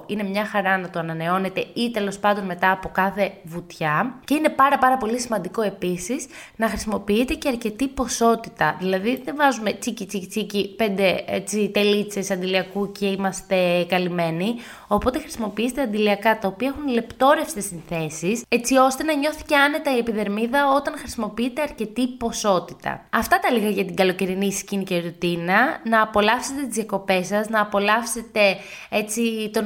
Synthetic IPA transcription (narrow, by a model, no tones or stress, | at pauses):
ine̞mɲɐxɐɾɐnɐt̪oɐnɐne̞o̞ne̞t̪e̞it̪e̞lo̞spɐnd̪o̞nme̞t̪ɐːpo̞kɐθe̞vut̪çɐce̞ine̞pɐɾɐpɐɾɐpo̞lisimɐnd̪iko̞e̞pisis | nɐxɾisimo̞piit̪e̞ce̞ɐɾce̞t̪ipo̞so̞t̪it̪ɐ̰ðilɐðiðe̞vɐzume̞t͡sicit͡sicit͡sicipe̞nd̪e̞et͡sit̪e̞lit͡se̞sɐnd̪iliɐkuce̞imɐst̪e̞kɐlime̞ni | o̞po̞t̪e̞xɾisimo̞piiset̪eɐnd̪iliɐkɐt̪ɐopiɐexunle̞pt̪o̞ɾe̞fsi̥t̪esinθe̞siset͡sio̞st̪e̞nɐɲo̞θi̥ce̞ɐne̞t̪ɐiepiðe̞ɾmiðɐot̪ɐnxɾisimo̞piit̪e̞ɐɾce̞t̪ipo̞so̞t̪it̪ɐ̰ɐft̪ɐt̪ɐliɣɐʝɐt̪iɡɐlo̞ce̞ɾinisciniceɾut̪inɐnɐːpo̞lɐfse̞t̪e̞t̪izjɐko̞pe̞sɐznɐːpo̞lɐfse̞t̪e̞ | et͡sit̪o̞